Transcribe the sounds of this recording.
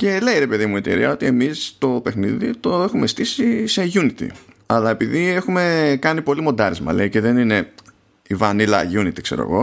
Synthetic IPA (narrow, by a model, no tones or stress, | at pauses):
ce̞le̞iɾe̞pe̞ðimue̞t̪ḛɾiɐo̞t̪ie̞mist̪o̞pe̞xniðḭt̪o̞exumest̪isise̞ʝunit̪ḭ | ɐlɐe̞piðie̞xume̞kɐnipo̞limo̞nd̪ɐɾizmɐ̰le̞iceðe̞nine̞ | ivɐnilɐ̰ʝunit̪i̥kse̞ɾoḛɣo̞